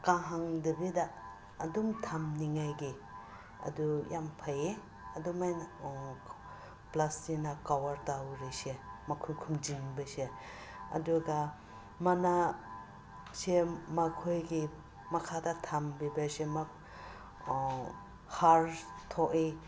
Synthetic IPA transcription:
kãɦaŋdɐbidaː | dumtʰamniŋajɡi | ɐ̰dujampʰaje | ɐdumajn | plastinakawaɾtawɾisemɐkʰojkʰumd͡ʒiŋbɐse | ɐ̰duɡɐ | mɐna | semɐkʰojɡi | mɐkʰadɐtʰambibasema | haɾ | tʰoʔi

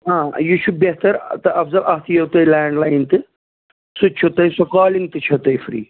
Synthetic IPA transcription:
ɦãːjuʃubeɦt̪ɐɾt̪ɨʔɐfzɐlʔɐɦt̪ʰjɐwt̪ɐilaːɳɖlaːjnt̪ɨ | sut͡ʃʰut̪ɐisukaːliŋɡ̚t̪ɨt͡ʃʰɐt̪ɐjfɾḭː

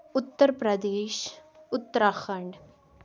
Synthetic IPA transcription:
ʊt̪ːəɾpɾəd̪eːʃʊt̪ːəɾaːxʰəɳɖ

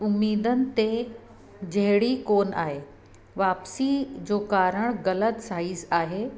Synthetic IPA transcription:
ʊmːiːd̪ənɪ̆t̪e | d͡ʑɐɦɪɽikoːna̰ːɦe | ʋaːpsid͡ʑoːkaːɾəɽ̃ɣɐlət̪saːisaːɦeː

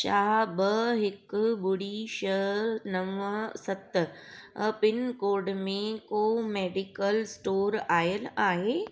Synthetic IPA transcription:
ʃaːɦbɐɦɪkbʊɽiʃəɦɾnɐʋsɐt̪ | pɪnkoːɾɖmẽkomeːɖɪkəlsʈoːɾaːjəlaːɦeː

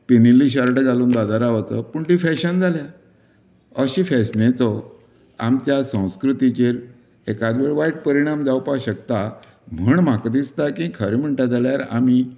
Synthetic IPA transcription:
pinilːiɕəɾʈɡʱaluːnd̪ad̪aɾaʋat͡sə̰puɳʈ̪ifɛɕənd͡zʱalja | əɕĩfɛsnẽt͡sɔ | a̰mt͡ɕjasə̃w̃skɾut̪it͡ɕeɾ | ekad̪ʋeɭʋaiʈ̚pəɾiɽ̃amd͡zawpaɕəkt̪a | m̤əɳmakd̪ist̪akĩkʰəɾim̤əɳʈad͡zaljaɾa̰m̤i

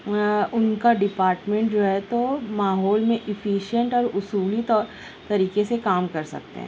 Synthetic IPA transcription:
ʊnkaɖɪpaːɾʈmẽɳʈd͡ʒoɦɛt̪omaːɦɔːlmẽʔɪfiːʃijə̃ɳʈɔːɾʊsuːlit̪ɔːɾ | t̪ɐɾiːkesekaːmkɐɾsɐ̰k̚t̪ḛɦɛ̰̃ː

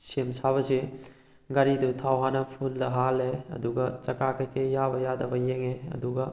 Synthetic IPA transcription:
semsabɐsi | ɡɐɾidutʰawɦanɐpʰuldɐɦalːeɐ̰duɡɐt͡ʃɐkakʰɐjkʰejabɐjadɐbɐjeŋeɐ̰duɡɐ

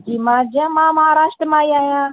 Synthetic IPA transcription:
d͡ʒiːmãːd͡ʒãːmãməɦaːɾaːʃʈ̪ɾəmãːiaːɦjãː

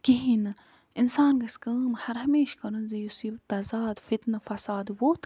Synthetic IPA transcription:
kiɦin | insaːnɡɐskəːmhɐɾɦɐmeːʃkɐɾɐnzijusiːbt̪ɐzaːd̪fit̪nɨfɐsaːd̪woːt̪ʰ

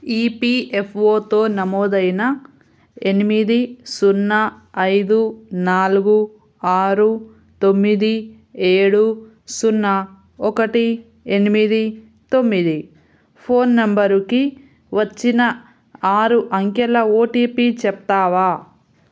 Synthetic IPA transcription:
iːpiepʰoːt̪o̞ːnɐmɔːd̪ɐjnɐ | enimid̪isunːɐ | ɐjd̪unaːluɡu | aːɾu | t̪omːid̪i | eːɽu | sunːɐ | ɔkɐʈi | enimid̪i | t̪o̞mːid̪i | pʰo̞ːnːɐmbɐɾuki | ʋɐt͡ʃːinɐ | aːɾuʔɐŋkɛlɐoːʈiːpiːt͡ʃɛp̚t̪aːʋaː

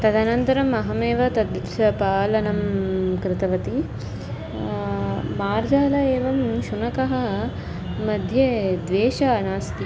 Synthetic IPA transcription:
t̪ɐd̪ʱanɐnt̪ɐɾɐmɐɦɐmeːʋɐt̪ɐd̪ | ɐpaːlɐnɐmkɾɪt̪ɐʋɐt̪i | maːɾd͡ʒaːlɐeːʋɐmʃunɐkɐɦɐ̆ | mɐd̪ʱjed̪ʋeːʃɐɐnaːst̪i

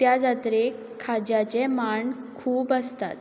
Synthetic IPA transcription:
t̪jad͡zat̪ɾe | kʰad͡ʑjat͡ɕɛmaɳkʰuːpəst̪a̰t̪

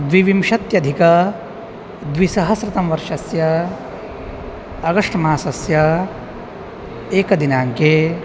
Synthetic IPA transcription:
d̪ʋiʋimʃɐt̪jɐd̪ʱikɐ | d̪ʋisɐɦɐsɾɪt̪ɐmʋɐɾʂʃɐsjɐ | ɡɐʂʈɐmaːsɐsjɐ | eːkɐd̪inaːŋkeː

